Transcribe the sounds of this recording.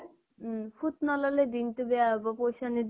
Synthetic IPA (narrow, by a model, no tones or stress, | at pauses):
fut̪nɔlɔled̪int̪ubeaɦbɔpojʃanid̪